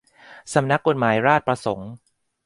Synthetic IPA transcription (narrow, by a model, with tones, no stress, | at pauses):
sa˩˦mna˦˥kːo˧˩t̪̚maː˩˦jɾaː˥˩t̪̚pɾa˧so˩˦ŋ